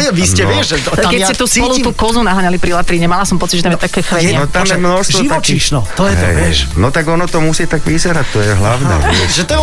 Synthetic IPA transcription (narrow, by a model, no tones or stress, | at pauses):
ɛʋiscɛʋɪɛʒʒɛkɛsɛt̪uːspɔlut̪uːkɔzunaɦaɲalipɾilat̪ɾiɲɛmalasɔmpɔt͡sid͡ʒʒɛt̪amjɛt̪akɛːxʋɛɲɛɔt̪amjɛmnɔʃst̪ʋʒɔiʋ̪ɔt͡ʃiʃnɔt̪jɛɦɛ̰jɛʃnɔt̪aɡɔnɔt̪ɔmusiːt̪aɡʋizaɾac̚t̪ɔjɛɦla̰ʊnɛ̰ɛʒɛt̪ɔ